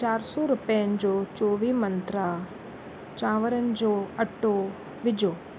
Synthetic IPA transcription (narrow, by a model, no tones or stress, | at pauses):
t͡ʃaːɾsuɾupɐjɐɲd͡ʒot͡ʃoːʋiːmɐnt̪ɾa | t͡ʃaːʋɐɾɐɲd͡ʒoɐʈːo | ʋid͡ʒoː